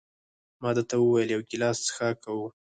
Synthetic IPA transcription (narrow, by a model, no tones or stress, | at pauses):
mɑd̪ət̪awəwajəljawkɪlɑst͡sə̥xakawu